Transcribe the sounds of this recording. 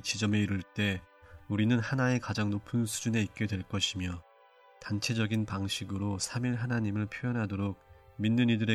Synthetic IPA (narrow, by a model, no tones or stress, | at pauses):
t͡ɕid͡ʑʌme̞iɾuɭt͈e̞ | uɾinɯnhanaekad͡ʑaŋnopʰɯnsʰud͡ʑune̞ik̚k͈e̞dwe̞ɭk͈ʌɕʰimjʌ | tant͡ɕʰe̞d͡ʑʌɡinpaŋɕʰiɡɯɾosʰamiɭɦanaɲimɯɭpʰjojʌnɦadoɾok̚minːɯnidɯɾe̞